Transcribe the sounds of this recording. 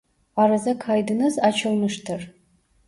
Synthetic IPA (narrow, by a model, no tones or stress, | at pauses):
aɾazakʰaːjdɨnɨzat͡ʃʰalmɨʂtʰɨr